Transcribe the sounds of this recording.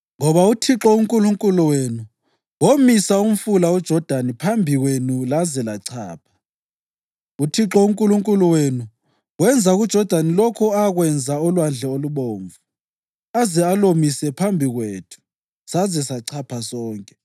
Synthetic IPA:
ŋɔβautʰiǁɔuŋkʼuluŋkʼuluwenu | womisaum̩fulaud̥ʒ̥ʱɔd̥ʱanipʰambʱiɣwenulazɛlaǀʰa̰ːpʰḁ | utʰiǁɔuŋkʼuluŋkʼuluwenu | ɣwɛnd͡zʱaɣud̥ʒ̥ʱɔd̥ʱanilɔkʰɔaɣwɛnd͡zʱaɔlwand͡ɮʱɛoluβoːɱvu | azɛalomisɛpʰambʱiɣweːtʰu̥ | sazɛsaǀʰapʰasɔːŋkʼɛ

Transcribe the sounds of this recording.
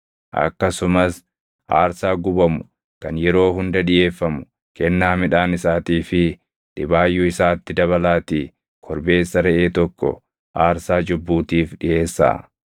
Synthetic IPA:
ʔɐ̰kːɐsʊmɐs | ʔaːɾsaːɡʊbɐmʊ̥ | kɐnjɛɾo̞ːɦʊnd̪ɐᶑɪje̞ːfːɐmʊ̥ | kɛnːaːmɪᶑaːnɪsaːt̪iːfɪ | ᶑ̪̥ɪbaːjːʊɪsaːt̪ːɪd̪ɐβɐlaːt̪iː | kʰɔɾbe̞ːsːɐɾɛʔe̞ːt̪ɔkːɔ̰ | ʔaːɾsaːd͡ʒʊbːuːt̪iːfᶑɪʔe̞ːsːa̰ː

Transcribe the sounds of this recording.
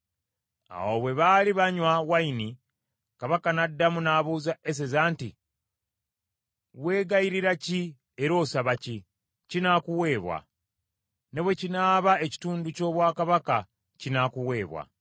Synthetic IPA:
a̰woβwe̞βaliβaɲwawaini | kaβakanadːamunaːβuːzaes̬e̞zaːntḭ | we̞ːɡaiɾiɾaci | e̞ɾo̞ːsaβaci | cinakuwe̞ːβwa̰ | ne̞βwe̞cinaːβae̞ci̥tuːnduco̞ːβwaːkaβaka | cinakuwe̞ːβwa̰

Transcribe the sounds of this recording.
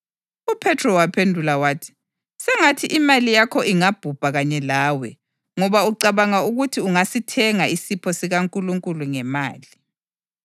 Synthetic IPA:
upʰɛtʰrɔwapʰendʱulawaːtʰi̥ | sɛŋatʰiʔimalijakʰɔʔiŋab̥ʱub̥ʱaɣaɲɛlaːwɛ | ŋɔβauǀaβaŋauɣutʰiuŋasitʰɛŋaisipʰɔsiɣaŋkʼuluŋkʼuluŋɛma̰ːli

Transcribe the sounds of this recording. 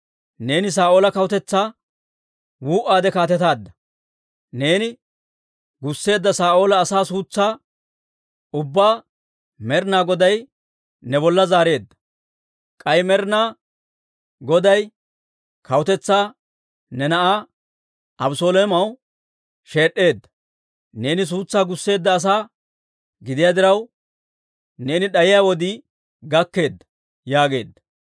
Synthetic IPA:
ne̞ːnɪs̬aːʔo̞ːlɐkɐwʊt̪ɛt͡sːaː | wuːʔaːd̪ɛkaːt̪ɛt̪aːd̪ːɐ | ne̞ːnɪ | ɡʊsːe̞ːd̪ːɐsaːʔo̞ːlɐːsaːsuːt͡sːaː | ʊbːaː | mɛɾnaːɡɔd̪ɐj | nɛbɔlːɐzaːɾe̞ːd̪ːɐ̥ | kʼɐjmɛɾnaː | ɡɔd̪ɐj | kɐwʊt̪ɛt͡sːaː | nɛnɐʔa | ɐbʊsoːleːmɐw | ʃe̞ːɗːe̞ːd̪ːɐ̥ | ne̞ːnɪs̬uːt͡sːaːɡʊsːe̞ːd̪ːɐːs̬aː | ɡɪd̪ɪjaːd̪ɪɾɐw | ne̞ːnɪɗɐjɪjaːwɔd̪ɪ | ɡɐkːe̞ːd̪ːɐ̥ | jaːɡe̞ːd̪ːɐ̥

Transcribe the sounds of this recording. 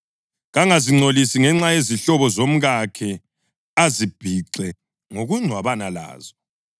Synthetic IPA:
ɣaŋaziŋ͡ǀʱolisiŋɛŋ͡ǁajeziɬɔβɔzom̩ɣakʰɛ | azib̥ʱiǀɛ | ŋoɣuŋ͡ǀʱwaβanala̰ːz̥ɔ

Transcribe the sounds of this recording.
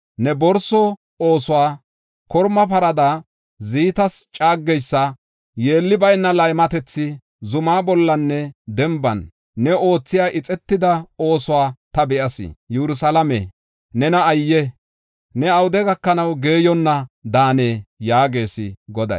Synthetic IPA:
nɛbɔɾsɔ | o̞ːsʊwaː | kɔɾmɐpɐɾɐd̪aː | ziːt̪ɐst͡ʃʼaːɡːɛjsːɐ | jeːlːɪbɐjnːɐlɐjmɐt̪ɛt͡sːɪ | zʊmaːbɔlːɐnːɛd̪ɛmbɐnː | ɛo̞ːt͡sːɪjaːʔɪt͡sʼɛt̪ːɪd̪ɐo̞ːsʊwaːt̪ɐbɛʔɐsɪ̰jɛɾʊs̬ɐlɐmɛ̰ | nɛnɐːjːɛ | nɛɐwʊd̪ɛɡɐkːɐnɐwɡe̞ːjɔnːɐd̪aːneːjaːɡe̞ːsɪ̰ɡɔd̪ɐ̰j

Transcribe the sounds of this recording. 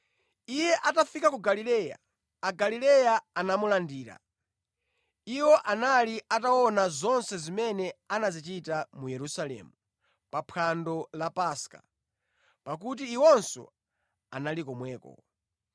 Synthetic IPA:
ijɛʔatafikakuɡalilɛːja̰ | aɡalilɛjaanamulandiːɾa̰ | iwɔʔanaliʔatawɔnazɔnsɛzimɛnɛanazit͡ʃitamujɛɾusalɛ̰ːmu | papʰandɔlapaskḁ̰ | pak̬ut̬iːwɔnsɔ̰ | a̰nalikɔmwɛːkɔ̰

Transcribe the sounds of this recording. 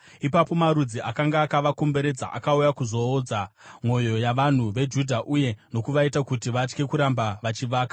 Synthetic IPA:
ipapo̞maɾud͡ziʔakaŋɡaːkaʋako̞mbe̞ɾe̞d͡za̰ʔa̰kaujakuzo̞ːd͡zamo̞jo̞jaʋan̤uʋe̞d͡ʒudʱaʔuje̞no̞kuʋaitakutiʋat͡ʃke̞kuɾambaʋat͡ʃiʋaːkḁ

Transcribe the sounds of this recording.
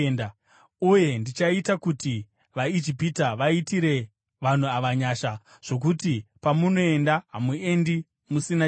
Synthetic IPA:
na | uje̞ndit͡ʃaitakuti | ʋaid͡ʒipitaʋaitiɾe̞ | ʋan̤uaʋaɲaːʃa | ʐ̥o̞k̬utipamuno̞e̞ndaɦamuendi | musina

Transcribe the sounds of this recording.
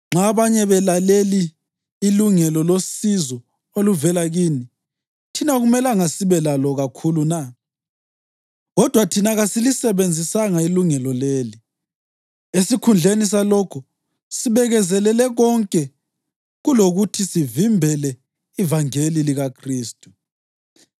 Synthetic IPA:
ŋ͡ǁaβaɲɛβɛlaleliː | luŋɛlɔlosizɔ | oluvɛlaɣiːni | tʰinaɣumɛlaŋasiβɛlalɔɣakʰuluna | ɣɔd̥ʱwatʰinaɣasilisɛβend͡zʱisaŋailuŋɛlɔleːli | esikʰund͡ɮʱenis̬alɔkʰɔ | siβɛɣɛzɛlɛlɛɣɔŋkʼɛ | ɣuloɣutʰisivimbʱɛlɛ | ivaŋeliliɣakʰriːstʼu̥

